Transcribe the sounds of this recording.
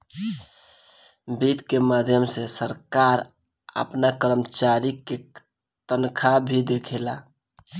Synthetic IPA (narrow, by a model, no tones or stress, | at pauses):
bit̪kemad̪ʱjəmsesəɾkaɾ | ə̰pnakəɾəmt͡ʃaɾike | t̪ənkʰabʱid̪ekʰela